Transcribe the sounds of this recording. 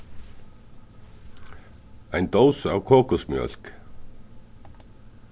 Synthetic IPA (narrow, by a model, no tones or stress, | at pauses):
ajnt̪owsawkʰɔːkʊsmjœ̰l̥k